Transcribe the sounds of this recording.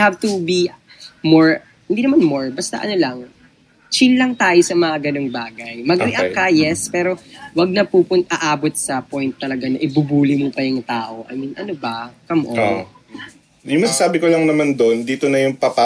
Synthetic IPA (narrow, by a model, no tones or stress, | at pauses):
havt̪ubi | moɹ | hɪnd̪iːnɐmanmoɹbɐst̪ɐ̰ʔɐ̰no̞lɐŋ | t͡ʃilːɐŋt̪aːjosɐmɐŋaɡɐno̞ŋbaːɡɐjmɐɡɾɛʔɐkajɛspɛːɾo̞wɐɡ̚nɐpuːpʊnt̪ʔɐʔaːbot̪̚sɐpojnt̪ːɐlɐɡanɐʔɪbubuːlɪmʊpɐjʊŋt̪aːʔo̞ʔɐ̰minʔɐnobɐkɐmʔon | jʊŋmɐsasaːbɪkolɐŋnɐmand̪o̞nd̪iːt̪onɐjʊŋpɐpa